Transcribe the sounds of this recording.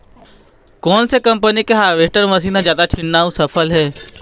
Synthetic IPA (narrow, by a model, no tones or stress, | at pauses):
kɔːnsekɐ̃mpənikeɦaːʋeːsʈəɾmɐs̬iːnazjaːd̪aʈʰɪnːaːũsɐpʰəlɦɛː